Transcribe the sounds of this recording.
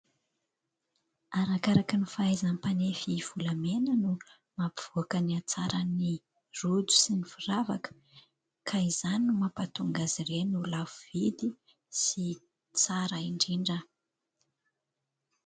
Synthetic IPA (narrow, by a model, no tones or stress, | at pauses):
aɾakaɾakənifaajzanpanefiv̥ulamenənu | mapi̥v̥uakəniat͡saɾəni | rud͡zu̥sinifurava̰kə̥ | kʰaizaniumapat̪uŋɡazirenulavuv̥id̪i | si | t͡saɾaiɳɖ͡ʐiɳɖ͡ʐə